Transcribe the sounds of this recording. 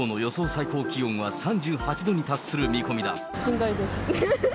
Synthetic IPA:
oːno̞jo̞so̞ːsaiko̞ːkʲijõ̞ŋ̃βasãɲ̟d͡ʑɨːhat͡ɕid̪o̞ɲ̟it̪asːɨɾɯ̟mʲikomʲid̪a̰ | ɕĩnd̪aid̪esɨ̥

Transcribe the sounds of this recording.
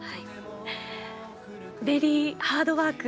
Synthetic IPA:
hai | beɾʲihaːd̪o̞βaːk

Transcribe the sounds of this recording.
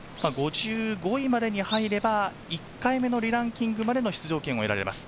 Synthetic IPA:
maɡo̞ʑɨːɡo̞imad̪e̞ɲ̟ihaiɾe̞ba | ikːaime̞no̞ɾʲiɾãŋkʲĩŋɡɯ̟mad̪e̞noçi̥t͡sɨʑo̞ːkẽ̞ɰ̃o̞e̞ɾa̰ɾema̰sɨ̥

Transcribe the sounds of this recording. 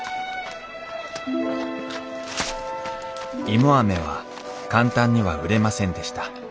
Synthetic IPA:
imoame̞β̞a̰ | kãnt̪ãɲ̟ːiβa̰ɯ̟ɾe̞masẽ̞nd̪e̞ɕi̥t̪ḁ

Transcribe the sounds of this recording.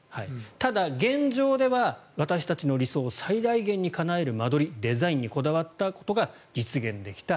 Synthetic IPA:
hait̪ad̪aɡẽ̞ɲd͡ʑo̞ːd̪e̞βaβat̪aɕi̥t̪at͡ɕino̞ɾʲiso̞ːsaid̪aiɡẽ̞ɲ̟ːikanae̞ɾɯ̟mad̪o̞ɾʲid̪e̞zaĩɲ̟ːiko̞d̪aβ̞at̪ːako̞̥t̪o̞ɡa | d͡ʑit͡sɨɡẽ̞nd̪e̞kʲi̥t̪a

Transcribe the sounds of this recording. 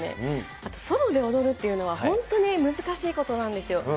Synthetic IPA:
ne̞̰ | at̪o̞̥so̞mo̞d̪e̞o̞d̪o̞ɾɯ̟t̪ːe̞jɯ̟no̞βahõ̞nt̪o̞nimɯ̟zɨkaɕiːko̞t̪o̞nãnd̪e̞sɨjo̞

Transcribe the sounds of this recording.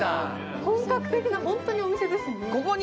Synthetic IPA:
a̰ | kõŋkakɯ̟̥t̪e̞kʲinahõnt̪o̞ɲ̟iomise̞d̪e̞sɨnekokoɲ

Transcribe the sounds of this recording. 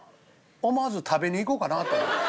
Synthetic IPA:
omazut̪ʰabenikokanat̪e

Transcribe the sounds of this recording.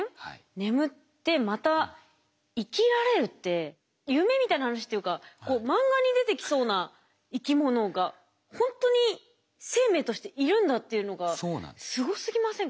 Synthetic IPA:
ne̞mɯ̟t̪ːe̞mat̪a | ikʲiɾaɾe̞ɾɯ̟t̪ːe̞ | jɯ̟me̞mʲit̪ainahanaɕi̥t̪ojɯ̟kako̞ːmãŋɡaɲ̟id̪e̞t̪e̞kʲi̥so̞ːna | ikʲimo̞no̞ɡa | hõ̞nt̪o̞ɲ̟i | se̞ːme̞ːt̪o̞ɕi̥t̪e̞ʔiɾɯ̟̃nd̪at̪ːe̞jɯ̟no̞ɡao̰ːsɨɡo̞sɨɡʲimasẽŋ

